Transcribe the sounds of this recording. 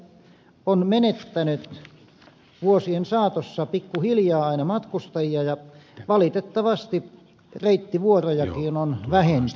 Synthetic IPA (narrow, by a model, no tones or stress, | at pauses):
onmenet̪ːænyt̪ | ʋuosiensɑːt̪osːɑpikːuhiljɑːɑinɑmɑt̪kust̪ɑjiɑjɑʋɑlit̪et̪ːɑʋɑst̪i | reit̪ːiʋuorojɑkiːnonʋæhen